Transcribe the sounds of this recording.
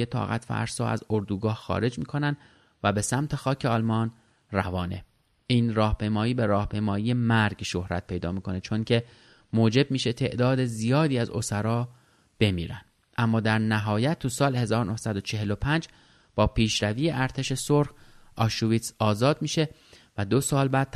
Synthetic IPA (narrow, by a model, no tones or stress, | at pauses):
et̪ʰɒ̰ːɣæ̰t̪fæ̰ɾsɒ̰ːæ̰zoɾd̪uːɡɒːhxɒ̰ːɾe̞d͡ʒmiːkʰo̞nænd̪ | væbe̞sæmt̪ʰe̞xɒːcʰe̞ɒːlmɒːn | rævɒːne̞̰ | ʔiːnrɒːhpʰe̞jmɒːjiːbe̞ɾɒːhpʰe̞jmɒːjiːe̞mæɾɡʃo̞hɾæt̪̚pʰe̞jd̪ɒ̰ːmiːkʰo̞ne̞t͡ʃʰo̞ŋcʰe̞ | moːd͡ʒe̞b̚miːʃe̞t̪ʰe̞ʔd̪ɒːd̪e̞zijɒːd̪iːæzo̰sæɾɒː | b̥e̞mḭːɾæ̰nd̪̥ | ʔæmːɒːd̪æɾnæɦɒːjæt̪̚ʰːusɒːlehe̞zɒːɾonohsæd̪o̞t͡ʃʰe̞ɦe̞lo̞pʰænd͡ʒ | b̥ɒːpʰiːʃɾæviːjeʔæɾt̪ʰe̞ʃe̞soɾxʔɒːʃuviːt̪sɒːzɒːd̪̚miːʃe̞ | væd̪o̞sɒːlbæːd̪̚t̪